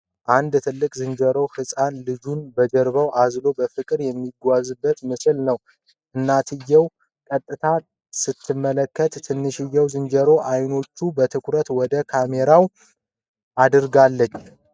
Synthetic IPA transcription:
ʔand̪t̪ʰɨlːɨkʼzɨnd͡ʒəɾo̞hɨsʼanlɨd͡ʒunbəd͡ʒəɾβəwʔazlo̞bəfɨkʼɨɾjɛmːiɡʷazɨbːət̪mɨsɨlnəw | ʔɨnːat̪ʰɨjːɛw | kʼət̪ʼːɨt̪ʰa | sɨt̪ʰːɨmːələkːət̪ːʰɨnːɨʃɨjːɛwzɨnd͡ʒəɾo̞ʔajno̞t͡ʃːubət̪ʰɨkʰʷɾət̪wɔd̪əkʰame̞ɾaw | ʔad̪ɨɾɡalːət͡ʃː

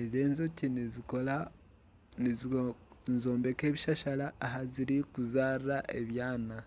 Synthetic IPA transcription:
ezeːnzocinizikola | i | nzo̞ːmbe̞ke̞ːβiʃaʃalaːɦaziɾikuzaːriɾaʔḛβjaːna

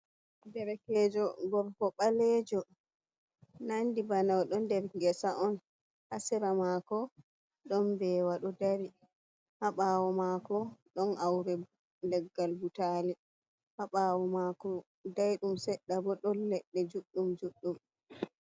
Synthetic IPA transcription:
dɛɾɛkɛd͡ʒɔɡɔɾkɔɓalɛd͡ʒɔ | nandibanawɗɔndɛɾɡɛsaʔɔn | ʔasɛɾamaːkɔ | ɗɔnbɛːwaɗɔdaɾi | haɓawɔmakɔɗɔnʔawɾɛ | lɛɡːalbutaːli | haɓaːwɔmakɔ | dajɗumsɛɗːabɔɗɔnːɛɗːɛd͡ʒuɗːumd͡ʒuɗːum

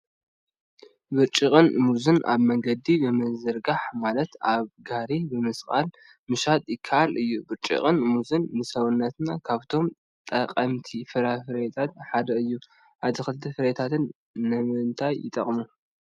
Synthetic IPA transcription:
bɨɾt͡ʃʼikʼɨnmuzɨnʔa̰βmɐŋɡɐd̪ibɨmɨzɨɾɡaħmalɐt̪aβɡaɾibɨmɨskʼa̰l | mɨʃat̪ʼjɪkʰːɐʔalɨjːubɨɾt͡ʃʼḭχʼɨnmuzɨnːɨsɐβɨnːɐt̪nakʰaβt̪ʰo̞m | t̪ʼɐqʼɐmt̪ʰifɨɾafɨɾet̪ʰat̪ħad̪ɐɨjːu | ʔad̪ixɨlt̪ʰifɨɾet̪ʰat̪ʰɨnː | ɨmɨnt̪ʰajːɪt̪ʼɐ̰χʼmu

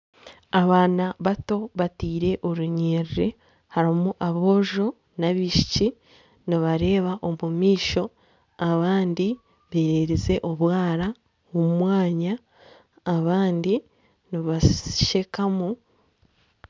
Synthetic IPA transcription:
aβaːnaβato̞βatiːɾe̞ʔo̞ɾuɲeːɾiɾe | haɾimuʔaβo̞ːʒo̞ | naβiʃi̥ci | niβaɾe̞ːβaʔo̞mumiːʃo̞ | aβaːndi | βeɾeɾize̞ʔo̞βwaːɾa | womumwaːɲaː | βaːndi | niβḁʃe̞kamu

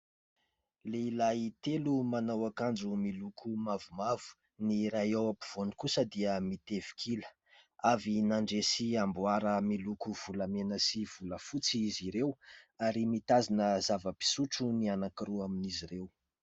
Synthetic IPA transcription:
leilajt̪elumanawakand͡ʒumilukʰumavumavu̥ | niɾajawapiv̥onikusəd̪iəmit̪ev̥i̥kʰilə̥ | avinaɳɖ͡ʐesiambwaɾəmilukuv̥ulamenəsiv̥uləfut͡siiziɾewaɾimit̪azinəzavəpi̥suʈ͡ʂunianakiɾuaminiziɾew

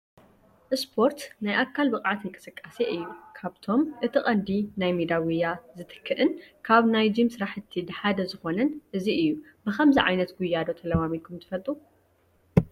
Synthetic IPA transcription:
ʔɨspʰo̞ɾt̪najʔakʰːalbɨkʼʕat̪ɨŋkʼɨsɨkʼːaseʔɨjːukʰaβt̪ʰo̞mʔɨt̪ʰɨχʼɐnd̪inajmid̪awujːazɨt̪ʰɨ̥kʰːɨʔɨnkʰaβnajd͡ʒimsɨɾaħɨt̪ʰːid̪ɨħad̪ɐzɨxo̞nɐnʔɨziɨjːu | bɨxɐmziʕa̰jnɐt̪ɡujːad̪o̞t̪ʰɐlɐwamilkʰumt̪ʰɨfɐlt̪ʼu

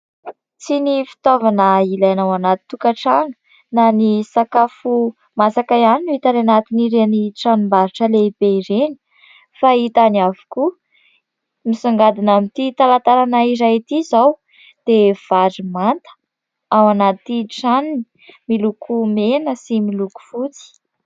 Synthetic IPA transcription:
t͡sinifi̥t̪ovanəilajnawanat̪i̥t̪ːukaʈ͡ʂaŋə̥ | nanisakafu | masakaianinit̪ananat̪iniɾeniʈ͡ʂanumbaɾiʈ͡ʂəleib̥eiɾeni̥ | fait̪aniavu̥ku | misaŋɡad̪inamit̪it̪alant̪aɾanaiɾajt̪izaw | d̪̥ev̥aɾimant̪ə̥ | awanat̪iʈ͡ʂanni̥ | milukʰumenəsimiluku̥fut͡si̥

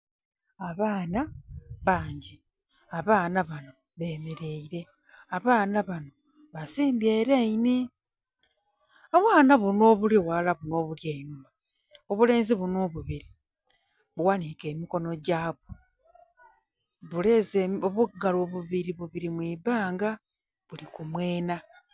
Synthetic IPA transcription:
aβaːnaβaːɲɟi | aβaːnaβano̞ | βe̞ːme̞ɾe̞iɾe̞ | aβaːnaβano̞ | βasiːmbjeːɾeini | aβwaːnaβuno̞ːβuliwalaβuno̞ːβuljeinuma | oβule̞ːnziβunoːβuβiɾi | βuwanike̞ːmiko̞no̞ɟaːβo | βulezeoβuɡaloβuβiɾiβuβiɾimwiːbaːŋɡa | βulikumwe̞ːna

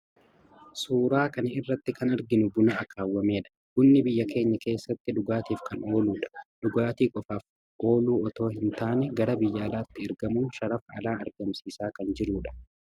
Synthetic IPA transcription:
suːɾaːkɐnɐɪrːɐt̪ːɪkɐnɐɾɡɪnʊbʊnɐɐkaːwːɐme̞ːᶑɐ̥ɡʊnːɪbɪjːɐkʰe̞ːɲːɐke̞ːsːɐt̪ːɪd̪ʊɡaːt̪iːfkɐno̞ːluːᶑɐ̥d̪̥ʊɡaːt̪iːkʼɔfaːf | ʔo̞ːluːɔt̪o̞ːɦɪnt̪aːnɛɡɐɾɐbɪjːɐːlaːt̪ːɪɛɾɡɐmʊnʃɐɾɐfɐ̰laːɐ̰ɾɡɐmsiːsaːkɐnd͡ʒɪɾuːᶑɐ̥

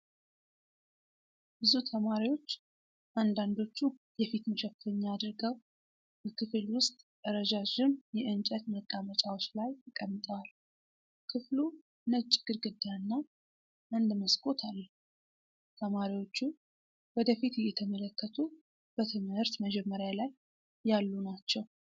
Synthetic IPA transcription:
bɨzut̪ʰəmaɾiwo̞t͡ʃː | ʔand̪and̪o̞t͡ʃːu | jɛfit̪məʃɛffəɲːaːd̪ɾɨɡəw | bəkʰɨfɨlwʊst̪ʼ | əɾəd͡ʒaʒɪnjɛʔɨnt͡ʃʼət̪məkʼamət͡ʃʼawot͡ʃːlajt̪əkʼəmːɨt̪ʼəwal | kʰɨflu | nət͡ʃʼːɪɡ̥ɨɾɡɨd̪ːajanːa | ʔɨnd̪ɨməskʼo̞t̪ʰalː | t̪ʰəmaɾiwo̞t͡ʃːu | wɔd̪əfit̪jɛt̪ʰəmələkːət̪ʰu | b̥ət̪ʰɨmhɨɾt̪məd͡ʒɛmːəɾjalajː | alːunat͡ʃːɛw

